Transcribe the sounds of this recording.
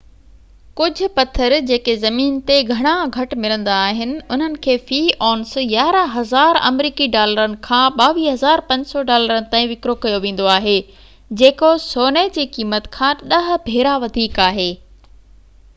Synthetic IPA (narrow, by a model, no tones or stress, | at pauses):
kʊd͡ʑʱʊ̆pɐt̪ʰəɾd͡ʑeːkezɐmiːnt̪eɡʱɐɽ̃aɡʱɐʈmɪlə̃nd̪aːɦɪnɪ̆ʊn̤ənɪ̆kʰeːfiːɔːnsjaːɾaɦɐzaːɾɐ̰mɾiːkiɖaːləɾənɪ̆kʰãːɓaːʋiːɦɐzaːɾpɐ̃ɲd͡ʑsɔɖaːləɾənɪ̆t̪ãːĩʋɪkɾokɐjoʋẽːn̆d̪oaːɦeː | d͡ʑeːkosoːned͡ʑiːkiːmət̪kʰãːɗɐɦ̆bʱeːɾaʋɐd̪ʱiːkaːɦeː